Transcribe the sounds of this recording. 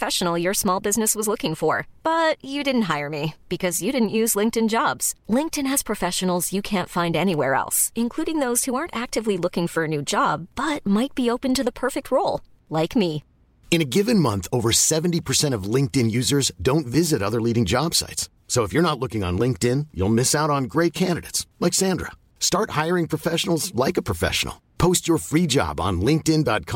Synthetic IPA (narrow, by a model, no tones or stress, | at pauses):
əfɛʃn̩l̩ˠjə˞smɔlˠbɪznɨswʌzlʊkɪ̃ŋfə˞b̥ʌt͡ʃɨdɪdⁿn̩t̚ɦaɪə˞mib̥ɨkʰʌzjɨɾɪdⁿn̩ʔjʉzlɪ̃ŋk̚tɨ̃nd͡ʒɑbz̥lɪ̃ŋk̚tɨ̃nɨz̥pʰɹ̥ɨfɛʃɨn̩l̩ˠzjɨkʰæ̃ntfãɪ̃ndɛñiwɛɹɛ̰lˠsɨ̃nkʰl̥uɾɪ̃ŋðoʊz̥huɑɹntæk̚tɨvlilʊkɪ̃ŋfə˞ɨnʉd͡ʒɑb̥ːʌt̚maɪt̚b̥ioʊpɨ̃ntɨðəpʰɜ˞fɨk̚t̚ʰɹoʊlˠ | laɪkmi | ɨ̃ñɨɡɪvɨ̃nmʌ̃nθoʊvə˞sɛṽn̩tipʰə˞sɛ̃ɾ̃ʌvlɪ̃ŋk̚tɨ̃njʉzə˞zdõʊ̃ntvɪzɨɾʌðə˞liɾɪ̃ŋd͡ʒɑb̥sa̰ɪts | soʊəfjə˞nətˡlʊkɪ̃ŋə̰̃nlɪ̃ŋk̚tɪ̃njṵlˠmɪsaʊɾn̩ɡɹeɪt̚kʰæ̃ndɨɾḛɪtslaɪksæ̃ndɹə̰ | stɑɹt̚haɪə˞ɪ̃ŋpʰɹ̥ɨfɛʃn̩l̩ˠzlaɪkɨpʰɹ̥ɨfɛ̰ʃə̰n̩l̩ˠ | pʰoʊst͡ʃə˞fɹid͡ʒɑ̰bn̩lɪ̃ŋk̚tɪ̃ndɑ̰t̚kʰɑ̃